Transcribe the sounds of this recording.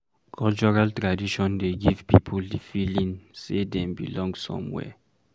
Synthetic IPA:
kʰɔlt͡ʃɔɹaltɹadiʃɔ̃ndeɡivpipʰuldifilĩnsedɛ̃mbḭlɔ̃ŋɡsɔ̰̃mwɛ̰

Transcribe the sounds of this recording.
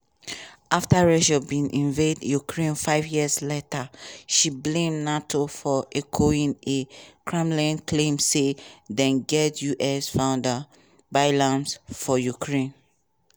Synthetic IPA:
aftaɹɛʃɔbĩnʔĩnvedjukʰɹẽnfaɪvjiəsletaʃiblẽmnatʰofɔʔɛkʰoĩnekʰɹɛ̃mlĩnkʰlẽmsedɛ̃nɡɛtjuʔɛsfãʊ̃nda | baɪlãmsfɔjukʰɹẽn

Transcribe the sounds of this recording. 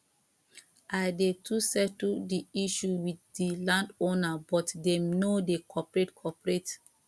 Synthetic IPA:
ʔaɪdetʰusɛtldiiʃuwiddilãndonabɔtdemnodekʰɔpɹetkʰɔpɹet

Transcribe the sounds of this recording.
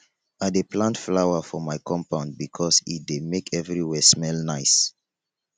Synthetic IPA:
adeplãntflaʊafɔmaɪkʰɔ̃mpãʊ̃nd̚bikʰɔsḭt̚demekʰɛvɹiwɛsmɛlnaɪs

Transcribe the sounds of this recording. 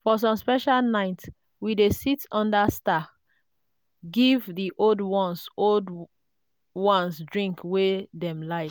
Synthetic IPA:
fɔs̬ɔ̃mspɛʃalnaɪt | widesitʰɔ̃ndasta | ɡivðiʔoldwɔ̃nsold | wɔ̃nsdɹĩŋkweðɛ̃mlaɪ

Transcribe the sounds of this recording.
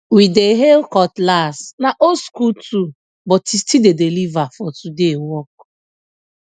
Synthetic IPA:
wideɦekɔtlasnaʔoskutu | bɔtistidedelivafɔtudewɔk̚

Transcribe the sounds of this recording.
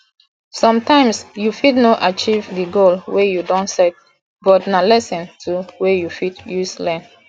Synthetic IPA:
sɔ̃mtãɪ̃msjufidnoʔat͡ʃivdiɡolwejudɔ̃nsɛt̚ | bɔtnalɛsɛ̃ntʰuwejufitjuslɛ̃n

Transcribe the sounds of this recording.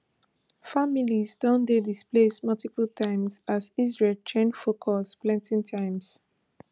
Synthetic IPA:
familizdɔ̃ndedisplesmʌltipəltʰãɪ̃mzazizɹeltʰɹɛ̃nfokʰɔsplɛ̃ntĩŋtʰãɪ̃mz̥

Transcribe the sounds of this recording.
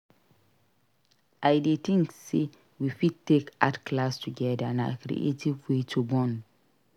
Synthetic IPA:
ʔajdet̪ɪ̃ŋkse | wifid̚teka̰tkʰlastʰuɡɛdə̃na̰kɾḭʔḛtivwetʰubɔ̃n

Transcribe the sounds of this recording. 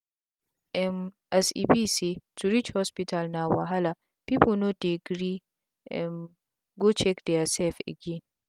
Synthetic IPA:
ʔɛm | ʔɛsḭbisituɾit͡ʃhɔspitalnawaɦala | pipunodeɡɾi | ɛ̰m | ɡɔt͡ʃɛkdɛasɛfɛ̰ɡin

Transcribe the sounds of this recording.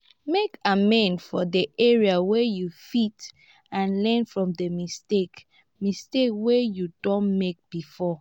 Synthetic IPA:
mekamɛ̃nfɔdiʔɛɹiawɛjufit | ãnlɛ̃nfɹɔ̃mdəmistek | mistekwejudɔ̃nmek̚b̥ifɔ

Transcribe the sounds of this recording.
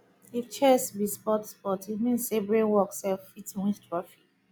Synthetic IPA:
ift͡ʃɛsbispɔtspɔtitmĩnssebɹẽnwɔksɛffitwĩθtɹɔfi̥k

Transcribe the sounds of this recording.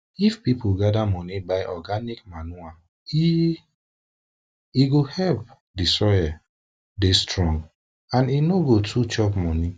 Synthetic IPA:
ifpipʰuɡadamɔnibaɪʔɔɡanikmanua | i | iɡohɛlp̚ | disɔja | destɹɔ̃ŋɡ | ãninoɡotʰut͡ʃɔpmɔni

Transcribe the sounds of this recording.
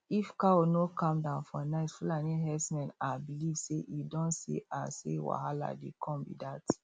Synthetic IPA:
ifkaonokʰãmdãʊ̃nfɔnaɪtfulanĩɦɛsmɛ̃nabilivseʔidɔ̃nsḭasḛwa̰ɦala̰dekʰɔ̃nbḭdat

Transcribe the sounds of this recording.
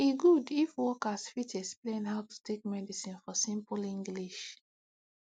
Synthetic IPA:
iɡudifwɔkasfitɛksplẽnɦaʊtu̥tʰek̚mɛdisĩnfɔsĩmplĩŋɡliʃ

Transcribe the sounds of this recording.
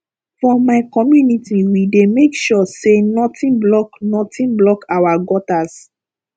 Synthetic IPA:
fɔ̃maɪkɔmjunitiwidemekʃɔsenɔtĩnblɔknɔtĩnblɔkawaɡɔtas

